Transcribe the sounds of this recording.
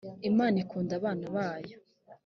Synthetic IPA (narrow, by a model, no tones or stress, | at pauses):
imaːnikuːndaβaːnaβaːjo